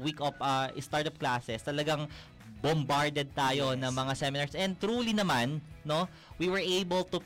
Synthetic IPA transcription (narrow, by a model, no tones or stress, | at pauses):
wikɔpɐʔɪst̪aɹt̪op̚klaːsɛst̪ɐlɐɡaŋ | bombaɹd̪ɛd̪̚t̪aːjo̞nɐŋmɐŋasɛmɪnaɹsʔɛn̚t̪ɾuːlinɐmanːo̞ | wiwɛɹʔejbɛlt̪ʊ